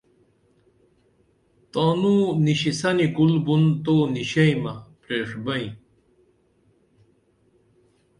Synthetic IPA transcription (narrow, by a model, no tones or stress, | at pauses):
t̪oːnuniɕisɐnikulbunt̪oːniɕɐjmɐpɾeʂbɐĩ